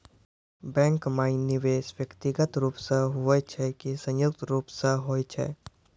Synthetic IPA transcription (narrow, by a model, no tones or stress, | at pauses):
bɛ̃ːŋkmaːinɪʋeːʃʋjəkt̪ɪɡət̪ɾuːpsəɦɦuət͡ʃʰɛkisə̃jjʊk̚t̪ɾuːpsəɦɦoːit͡ʃʰɛ̰